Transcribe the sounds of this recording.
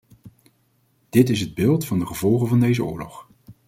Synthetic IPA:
d̥ɪtɪsɦəd̚bɪːlˠtfɑndəχəvɔlˠχənvɑndejzəʊ̰ːɹlɔ̰χ

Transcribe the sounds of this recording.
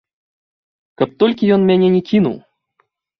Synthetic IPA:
kɐp̚t̪ɔlʲkʲijɔnmʲanʲɛnʲɛkʲinṵw

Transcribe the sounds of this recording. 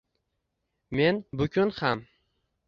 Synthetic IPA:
me̞nbʊkʲʊnham

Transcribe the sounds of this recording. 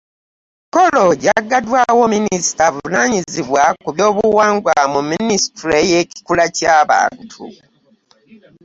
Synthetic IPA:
kolo̞ɟaɡadwawo̞minisi̥tavunaɲiziβwakuβjo̞ːβuwaːŋɡwamuminisi̥tɾejeci̥kulacaːβa̰ːntʰṵ

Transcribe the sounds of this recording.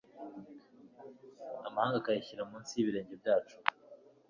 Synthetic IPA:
amahaːŋɡakajiçiɾaumuːnsiβiɾe̞ːɲɟe̞b̚ɟaːt͡ʃu̥

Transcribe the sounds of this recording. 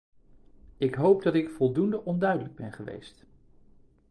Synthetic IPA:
ɪkɦowpdɑtɪkfɔlˠdundəʔɔndœɥdələɡ̚bɛnχəʋḛjst

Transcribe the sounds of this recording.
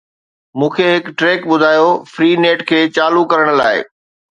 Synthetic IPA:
mũːkʰeɦɪkʈɾeːkɓʊd̪ʱaːjofɾiːneːʈkʰeːt͡ɕaːlukɐɾəɽ̃̆laːɪ̰

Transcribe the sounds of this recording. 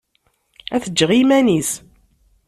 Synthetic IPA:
æθəd͡ʒːʁimænis

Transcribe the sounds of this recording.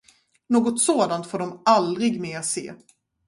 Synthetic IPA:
noːɡɔt̪soːd̪ant̪foːɖɔmald̪ɾɪɡmeːasḛː

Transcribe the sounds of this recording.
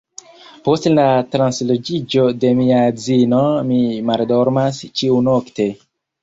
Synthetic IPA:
postlatɾanslod͡ʒid͡ʒo̞de̞miazino̞mimaldo̞ɾmast͡ʃiunokte̞

